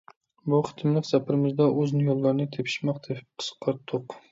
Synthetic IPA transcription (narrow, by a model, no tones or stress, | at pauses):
buχɨ̥t̪ʰɪmlˠɪkʲsæpʰɪɾɪmɪzd̪ɒʔɵznɪjolˠːɑɾnɪt̪ʰepʰɪ̥ʃmɑqd̪epqʰə̥sqʰːɑɾt̪ʰːoq